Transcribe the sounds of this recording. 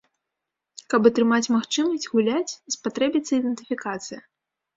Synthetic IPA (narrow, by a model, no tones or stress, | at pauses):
kɐpɐt̪ɾɨmat͡sʲmaxt͡ʂɨmɐsʲd͡zʲɣulʲat͡sʲspat̪ɾɛbʲit̪sɐid̪ɛnt̪ɨfʲikat̪sɨjɐ